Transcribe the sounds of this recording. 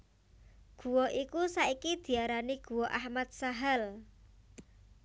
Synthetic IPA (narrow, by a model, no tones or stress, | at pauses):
ɡ̥ṳwɔʔikusaikid̪̥i̤aɾaniɡ̥ṳwɔʔahmat̪̚saɦal